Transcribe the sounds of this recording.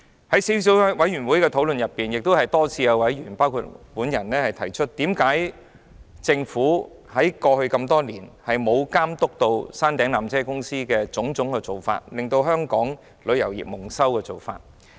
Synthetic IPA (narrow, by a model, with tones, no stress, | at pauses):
hɐ˨˥jsi˨˥wsiː˨˥wwɐ˨˥jyː˨˩nwu˨˥jkɛː˧t̪ʰo˨˥wlɵ˨njɐ˨pːiː˨˩njɪ˨k̚t̪o˥whɐ˨jt̪ɔː˥t͡sʰiː˧kɛː˧wɐ˨˥jɥyː˨˩npaː˥wkʰuː˧t̚muː˨˥njɐ˨˩nɛː˥hɐ˨jt̪ʰɐ˨˩jt͡ʃʰɵ˥t̚t̪iː˨˥mkaː˨˥j | t͡sɪ˧ŋfuː˨˥ | hɐ˨˥jkɔː˧hɵ˧ɥkɐ˧mt̪ɔː˥liː˨˩nhɐ˨jmo˨˧wkaː˥mt̪ʊ˥k̚t̪o˧wsaː˥nt̪ɛː˨˥ŋlaː˨mt͡sʰɛː˥kʊ˥ŋsiː˥kɛː˧t͡sʊ˨˥ŋt͡sʊ˨˥ŋkɛː˧t͡so˨wfa̰ː˧t̚lɪ˨ŋt̪o˧wɦœː˥ŋkɔː˨˥ŋ | lɵ˨˧ɥjɐ˨˩wjḭ˨˩p̚mʊ˨˩ŋsɐ˥wkɛː˧t͡so˨˩wfa̰ː˧t̚